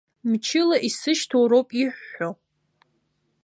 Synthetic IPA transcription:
mt͡ʃʰɪlaʔisɨʃtʰowɾowpʼiħʷːo

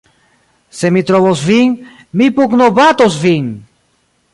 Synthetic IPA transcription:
semit̪ɾoβosviŋ | mipuknoβat̪osviŋ

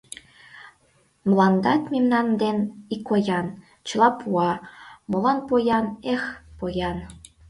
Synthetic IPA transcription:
mlɑnd̪ɑt̪memnɑnd̪enikːojɑn | t͡ɕəlˠɑpuɑmolɑnpojɑnexpojɑn

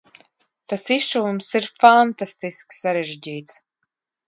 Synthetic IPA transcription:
t̪asisʃuvumsiɾfant̪ast̪iskssaɾɛʒɟiːt̪s

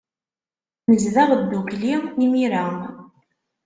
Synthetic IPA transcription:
məzðæʁd̪uklinimiɾæm

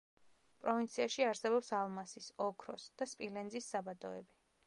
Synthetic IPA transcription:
pʼɾɔvint̪sʰiaʃiaɾsɛbɔpsalˠmasisɔkʰɾɔ̰sd̪̥aspʼilɛnd̪zisːabad̪ɔɛ̰bi

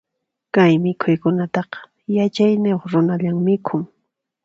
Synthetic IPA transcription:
kajmɪkʰʊjkʊnat̪ɑqɑ̥ | jat͡ʃajnɪoχɾʊnaʎaŋmɪkʰʊŋ

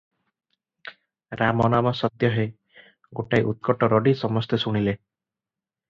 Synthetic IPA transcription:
ɾamɔnamɔsɔd̪jɔɦe | ɡoʈajʔut̪̚kɔʈɔɾɔɖisɔmɔst̪esuɽ̃ile

